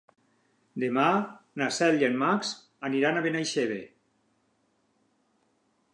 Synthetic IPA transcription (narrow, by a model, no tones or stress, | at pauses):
d̪emanasɛljenmaks | aniɾanaβenajʃeβe